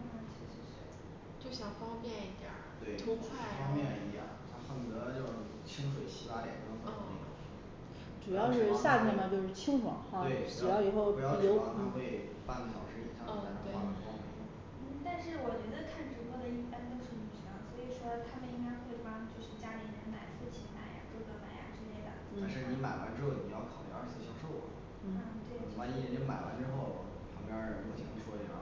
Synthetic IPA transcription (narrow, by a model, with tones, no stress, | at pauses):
ka˥˩ŋt͡ɕʰi˧˥ʂ̩˧˥ʂɻ̩˧˥ | t͡ɕjo˥˩ʊɕjɑ˨˩ŋfɑ˥ŋpjɛ˥˩ni˧˥˩t̪jə̰˨˩˦t̪we˥˩ɪt̪ʰu˧˥wa˥˧fɑ˥ŋmjɛ˥˩nḭ˧˥jɑ̰˥˩ŋt̪ʰa˥xə˨˩d̪ɤ˧˥t͡ɕjo˥˧ʊ˩t͡ɕʰi˥ŋʂ̬we˨˩ɪɕi˧˥wa˥˩ljɛ̰˨˩nkɑ˥ŋfə̰˥˧˥ɑ̰˨˩˥ | ʈ͡ʂu˨˩jɑ˥˧ʊʂɻ̩˥˧ɕja˥˧nʰɛ˥˩nm˧˥t͡ɕjo˥ʊʂɻ̩˥˩t͡ɕʰi˥ŋxwɑ̰˨˧˥ŋa˥˧we˥˩ʈ͡ʂu˨˩jɑ˥˩ʊi˨˩xo˥˩ʊ˧˩jɑ˥˩jo˧˥ʊa̰˥˩xwe˥˧ɪ | pa˥˩nlə˩ɕjɑ̰˨˩ʊʂɻ̩˥ḭ˥˩ɑ˥˩˥t̪we˥˩a̰˥˩˥ŋ̰˥˩˥ | n̩˥˩t̪a˥˧nʂɻ̩˥˩wɔ˨˩t͡ɕɥɛ˧˥d̪ə˧kʰa˥˩nʈ͡ʂu˧˥kwɔ˥˩d̪ə˨i˥˩pa˥nt̪o˥ʊʂɻ̩˥˩ny˨˩ɕi˧˥˧swɔ˧˥i˨˩ʂwɔ˥t̪ʰa˥mə˨ni˥ŋka˥ɪxwe˥˩ɪpa˥t͡ɕjo˥˧ʊʂɻ̩˥˩t͡ɕja˥li˧˥˧ə˧˥nma˨˩ɪfu˥˩t͡ɕʰi˧˥ma˨˩ɪja̰˧˦t̪wɡə˧˩ma˨˩ɪja̰˧ʈ͡ʂɻ̩˥le˥˩ɪd̪ə̰˩n̩˥a˥˧nʂɻ̩˥˩ni˧˥ma˨˩ɪwa̰˧˥nʈ͡ʂɻ̩˥xo˥˩ʊni˨˩jɑ˥˩ʊkʰɑ˨˩ʊlḭ˧˥a̰˞˥˧˥s̩˥˩ɕjɑ˨˩ʊʂo˥˩ʊw̰ | n̩˥˩˥t̪we˥˩wa˧˥ni˥˧˩ə˧˥nma˨˩ɪwa̰˧˥nʈ͡ʂɻ̩˥xo˥˩ʊ | pʰɑ˧˥ŋpjɑ˥˧˩jo˧˥ʊt̪ʰḭ˨˩ŋn˧˥ʂʰwɔ˥˩ə˨˩a̰˧˥